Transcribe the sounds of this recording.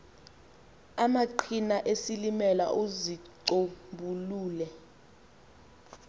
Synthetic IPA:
amaǃʰinaʔesilimɛla̰ʔozi | obuluːlɛ

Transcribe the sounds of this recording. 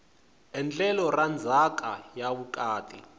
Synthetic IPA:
ɛnt͡ɬʼɛlɔrand͡zʱak̬ʼajaβuk̬ʼaːtʼḭ

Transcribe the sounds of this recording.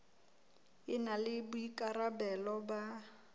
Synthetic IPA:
ɪnalɪbʊikʼaɾabɛlɔba

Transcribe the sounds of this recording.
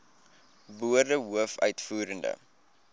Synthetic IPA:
buərdəɦuəfœ̰ɥtfuːɾəndə̰

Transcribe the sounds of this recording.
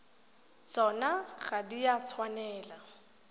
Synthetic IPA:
t͡sɔnaɣadiat͡sʰwanɛːla

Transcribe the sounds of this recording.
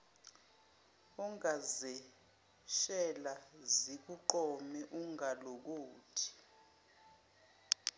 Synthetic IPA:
ɔŋazɛ | ʃɛlazik̬uǃɔmɛʔuŋalok̬uːtʰi̥

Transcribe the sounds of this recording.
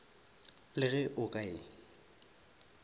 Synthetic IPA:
lɪɣɛʔʊkʼaɪ

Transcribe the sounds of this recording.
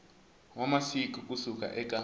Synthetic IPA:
wamasik̬ʼukʼusuk̬ʼa̰ʔɛk̬ʼa

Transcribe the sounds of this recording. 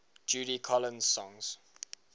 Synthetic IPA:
d͡ʒuːɾikʰɔlə̃nzsɔ̃ŋz̥

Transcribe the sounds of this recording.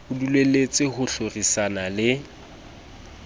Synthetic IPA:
ʊdulwelet͡sʼɪhʊɬorisanalɪ

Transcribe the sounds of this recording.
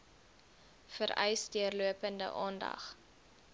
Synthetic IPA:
fəɾɛ̰jsdiərluəpəndə̰ʔɑːndɐ̰χ

